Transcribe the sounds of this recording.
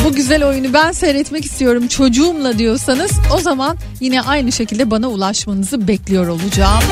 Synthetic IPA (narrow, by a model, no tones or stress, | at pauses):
buɟyzælʲo̞junubænsɛɾɛt̪mɛci̥st̪ʰijo̞ɾumt͡ʃʰo̞d͡ʒuːmlˠad̪ijo̞ɾsanɯz̥o̞zaman | jinɛʔajnɯʃe̞cilʲd̪ɛbanaulˠaʃmanɯzɯbɛclʲijo̞ɾo̞lˠud͡ʒaːm